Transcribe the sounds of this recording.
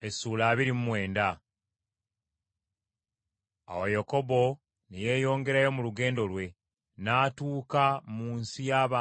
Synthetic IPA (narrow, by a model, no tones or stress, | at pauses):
esuːlaːβiɾimumwe̞ːnda | a̰wajako̞bo̞ | neje̞ːjo̞ːŋɡe̞ɾajo̞muluɡe̞ːndo̞lwe̞ | naːtuːkamuːnsijaːβaː